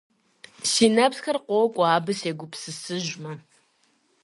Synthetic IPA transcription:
sinɐbsxɐrqʷɔwkʷʼɔaːbɨseːɡʷʊpsɨsɨʒmɐ

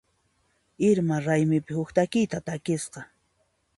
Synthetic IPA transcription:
ɪɾmaɾajmɪpɪhʊkt̪akɪjt̪at̪akɪsqɑ

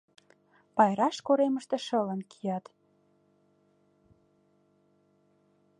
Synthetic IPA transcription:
pɑjɾɑʃkoɾeməʃt̪ĕʃələ̆nkʰijɑt̪

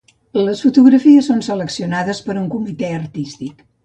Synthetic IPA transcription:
ləsfut̪uɣɾəfiəsːonsələksiunaðəspəɾuŋkumit̪ɛərt̪ist̪ik

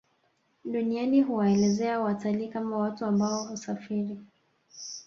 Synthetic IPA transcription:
ɗunianiɦuwaɛlɛzɛawatalikamawatuambaɔhusafiɾi

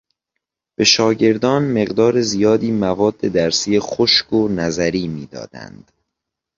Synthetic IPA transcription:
b̥e̞ʃɒːɟe̞ɾd̪ɒːnme̞ɣd̪ɒːɾezijɒːd̪iːmævɒːd̪ːe̞d̪æɾsiːexoʃkʰonæzæɾiːmiːd̪ɒ̰ːd̪æ̰nd̪̥

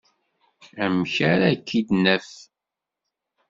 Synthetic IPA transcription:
æmçaɾækʰːid̪nəf

